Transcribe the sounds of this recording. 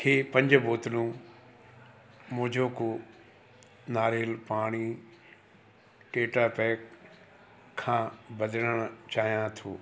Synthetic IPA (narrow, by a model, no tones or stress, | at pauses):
kʰeːpɐ̃ɲd͡ʑʊboːt̪lũ | mʊ̃ɦɪ̃d͡ʑʱoko | naːɾeːlpaːɽ̃i | ʈeːʈaːpɛːk | kʰːãːbɐdəɽəɽ̃ʊt͡ɕaːɦijãt̪ʰoː